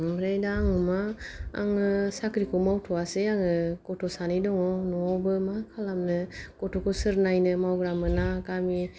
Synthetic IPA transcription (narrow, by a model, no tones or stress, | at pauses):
bɾejdaːŋɯma̰ːŋɯsakɾikʰɔmawtʰɔaseaŋɯkɔtʰɔsanidɔŋɔnɔawbɯmakʰalamnɯkɔtʰokʰosɯɾnajnɯmawɡɾamɯnakami